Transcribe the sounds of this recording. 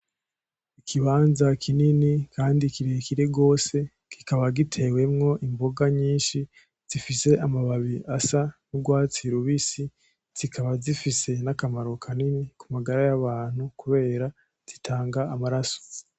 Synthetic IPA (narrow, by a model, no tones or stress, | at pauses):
ikʰiβaːnzakʰininikʰaːndikiɾekiɾeɡo̞ːse̞ | ki̥kaβaɡitʰe̞we̞mŋo̞ʔimbo̞ɡaɲiːnʃi | z̥ifise̞ʔamaβaβiʔasanuɡwaːt͡siɾuβisi | z̥ikʰaβazifise̞nakamaɾo̞kʰaninikumaɡaɾajaβaːn̥hukuβe̞ːɾa | z̥itʰaːŋɡaːmaɾaso̥